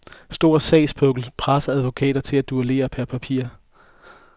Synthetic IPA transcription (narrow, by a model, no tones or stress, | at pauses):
sd̥o̝ɐ̰sɛɪsb̥ʰɔ̽ɡ̥l̩pʰʁasɐæðˠʋo̝kʰɛ̰ːd̥ɐt͡sʰe̝læd̥uæle̝̰ːɐpʰæɐpʰæpʰḭɐ̰